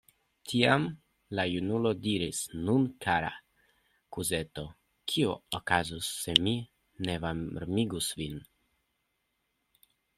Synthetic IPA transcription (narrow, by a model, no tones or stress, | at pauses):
tʰiam | lajunulo̞diɾisnunkʰaɾa̰ | kuze̞to̞ | kʰiookazusːe̞mi | ne̞vaɾmiɡusvin